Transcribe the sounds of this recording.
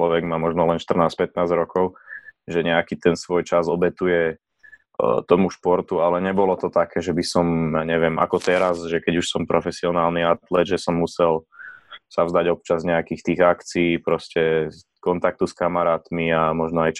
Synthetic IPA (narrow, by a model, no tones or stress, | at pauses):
lɔʋɛɡmamɔʒnɔlɛnʃt̪ər̩naːspɛt̪̚naːzɾɔkɔʊʒɛɲɛakit̪ɛnsʋɔjt͡ʃazɔbɛt̪ujɛ | t̪ɔmuʃpɔɾt̪ualɛɲɛbɔlɔt̪ɔt̪akɛːʒɛbisɔmjaːɲɛʋɪɛma̰kɔt̪ɛɾazʒɛkɛɟuʃsɔmpɾɔfɛsiɔnaːlniat̪lɛd̪ʒɛsɔmːusɛl | savzd̪aɟɔp̚t͡ʃazɲɛakiːxt̪iːɣakt͡siiːpɾɔscɛ | kɔnt̪ak̚t̪uskamaɾaːt̪miamɔʒnɔajt͡ʃ